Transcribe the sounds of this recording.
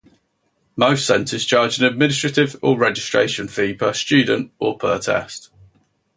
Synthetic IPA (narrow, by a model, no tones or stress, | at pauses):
məʊstsɛ̃ntʰɪz̥t͡ʃʰɑːd͡ʒɪ̃nəd̚mɪ̃nɪs̬tɹ̥ətɪvəɹɛd͡ʒɪstɹ̥ḛɪʃə̃nfiːpʰəst͡ʃʉːdⁿn̩tʔəpʰɜ̰ːtʰɛ̰st